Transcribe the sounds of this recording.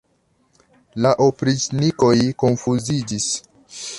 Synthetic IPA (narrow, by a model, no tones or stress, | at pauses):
laʔopɾisniko̞jko̞nfuzid͡ʒis